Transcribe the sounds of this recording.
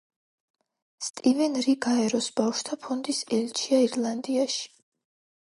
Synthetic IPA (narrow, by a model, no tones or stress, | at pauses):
st̪ʼivɛnɾiɡaɛɾɔsbafʃt̪ʰapʰɔnd̪isɛlt͡ʃʰiaiɾlˠand̪iaʃi̥